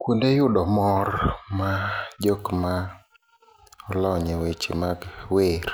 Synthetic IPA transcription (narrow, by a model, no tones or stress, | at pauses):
kwundejʊdɔmɔrmad͡ʒokma | ɔlɔɲewet͡ʃḛmaɡwer